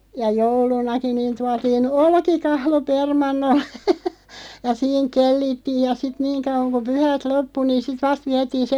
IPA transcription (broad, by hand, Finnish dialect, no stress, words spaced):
jɑ joulunɑki niːn tuɑtiːn olkikɑhlo permɑnːolːe̥ jɑ siːŋ kelːitːiːj̆ jɑ sit niːŋ kɑuʋ̆ɑŋ ku pyhæt lopːu niːn̞ sit ʋɑst ʋiætiːn se